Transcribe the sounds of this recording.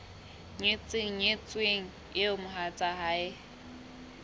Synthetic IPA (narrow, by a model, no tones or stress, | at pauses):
ɲɪt͡sʼɪŋ̩ɲɪt͡sʼweŋ̩ | ɪʊmʊɦat͡sʼaɦaɪ